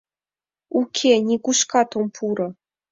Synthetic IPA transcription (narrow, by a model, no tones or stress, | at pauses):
ukʲʰenʲikuʃkɑt̪ompʰuɾɤ̆